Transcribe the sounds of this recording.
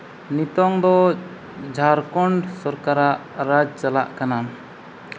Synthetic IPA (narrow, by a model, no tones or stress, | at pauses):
nit̪ɔŋd̪ɔ | d͡ʒʱaɾkɔɳɖsɔɾkaɾaʔɾad͡ʒt͡ʃalaʔkanam